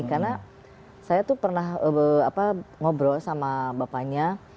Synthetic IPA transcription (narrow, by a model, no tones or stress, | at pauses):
karna | sajat̪upərnaɦəəapaŋobɾɔsamabapaɲa